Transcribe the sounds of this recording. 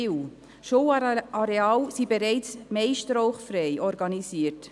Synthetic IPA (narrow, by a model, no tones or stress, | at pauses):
ɪw | ʃowɑɾeɑːwsibeɾɛɪt͡smɛɪʃtɾoʊχfɾɛɪʔɔɾɡɑnisiət